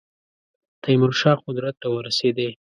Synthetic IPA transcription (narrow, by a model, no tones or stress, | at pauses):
t̪ʰajmʊɾʃɑqʊd̪ɾat̪̚ːawəɾased̪e